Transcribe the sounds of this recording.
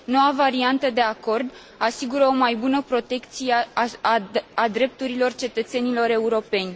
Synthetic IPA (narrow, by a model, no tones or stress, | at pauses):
no̞wavaɾiant̪əd̪e̞ako̞rd̪ | asiɡuɾəo̞majbunəpɾo̞t̪e̞kt̪sijeaad̪ɾe̞p̚t̪uɾilo̞rt͡ʃe̞t̪ət̪se̞nilo̞ɾe̞uɾo̞pe̞nʲ